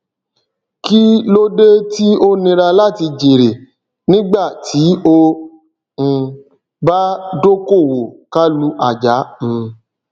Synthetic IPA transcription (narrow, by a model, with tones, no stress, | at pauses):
ki˦lo˦de˦ti˦o˦nĩ˧ɾa˧la˦˨ti˧d͡ʒi˨ɾe˨ | nĩ˦ɡ͡ba˦˨tʰi˨˦õ˧˨ | ba˦do˦ko˦˨wo˨ka˦lu˦ʔa˦˨d͡ʒa˨˦m̩̃˦